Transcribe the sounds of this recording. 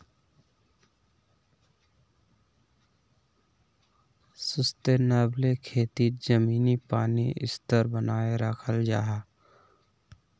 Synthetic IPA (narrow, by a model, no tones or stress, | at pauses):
sʊst̪enaːblekʰeːt̪id͡ʒəmiːnipaːnḭʔɪ̰st̪əɾbənaːeɾəkʰəld͡ʒa̰ːɦaː